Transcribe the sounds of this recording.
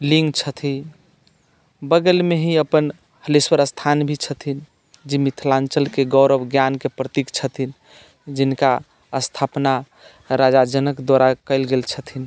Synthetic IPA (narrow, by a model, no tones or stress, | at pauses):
liŋɡt͡ʃʰət̪ʰi | bəɡəlmeɦiəpən | həliswəɾəst̪ʰanbʱit͡ʃʰət̪ʰin | d͡ʒimit̪ʰlãnt͡ʃəlkeɡɔʊɾəbɡjankepɾət̪ikt͡ʃʰət̪ʰin | d͡ʒinka | əst̪ʰapna | ɾad͡ʒad͡ʒənəkd̪waɾakəɪlɡelt͡ʃʰət̪ʰin